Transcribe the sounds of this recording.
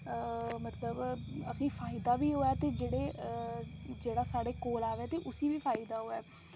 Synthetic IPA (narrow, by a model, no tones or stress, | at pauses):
mət̪ləbəsĩːfʰaːɪd̪aːbiːɦoːaːt̪eːd͡ʒeːɽeː | d͡ʒeːɽaːsaːɽeːkoːlaːʋeaːt̪eːʔʊsiːʋiːfʰaːɪd̪aːɦoːɛː